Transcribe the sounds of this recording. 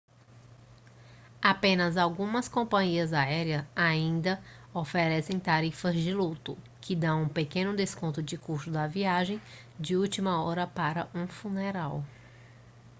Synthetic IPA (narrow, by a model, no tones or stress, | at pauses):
apẽnɐzawɡũmɐskõpɐ̃ɲiɐzaɛɾiɐaĩnd̪ɐofɛɾɛsẽj̃t̪aɾifɐzd͡ʒɪlut̪ʊ | kɪd̪ɐ̃w̃ũpekẽnʊd̪eskõnt̪ʊd͡ʒɪkuɾsʊd̪ɐviaʒẽj̃ | d͡ʒɪuwt͡ʃimɐɔɾɐpaɾɐʔũfuneɾaw